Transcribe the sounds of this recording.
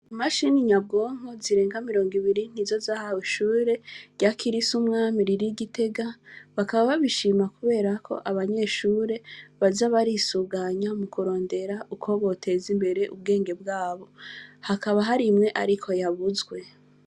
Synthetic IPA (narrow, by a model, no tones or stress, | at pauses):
amaʃiniɲab̚ɡo̞ːŋ̥hoziɾe̞ːŋɡamiɾo̞ːŋɡiβiɾin̥izo̞zahawiʃuːɾe̞ɟakʰiɾisumŋaːmiɾiɾiɡite̞ɡaβakaβaβaβiʃimakuβe̞ːɾakʰo̞̰ʔaβaɲe̞ʃuːɾe̞βazaβaɾisuɡaɲamukuɾo̞ːnde̞ɾaʔukʰo̞βo̞tʰe̞zimbe̞ɾe̞ʔṵb̚ɡe̞ːŋɡe̞b̚ɡaːβo̞hakaβaɦaɾimŋe̞ʔaɾikʰo̞jaβuzɡwe̞